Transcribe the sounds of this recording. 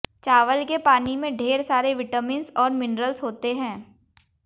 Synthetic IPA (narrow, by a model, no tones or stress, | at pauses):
t͡ʃaːʋəlkepaːnimẽɖʱeːɾsaːɾeʋɪʈəmɪ̃nsɔːɾmɪnɾəlsɦoːt̪eɦɛ̃ː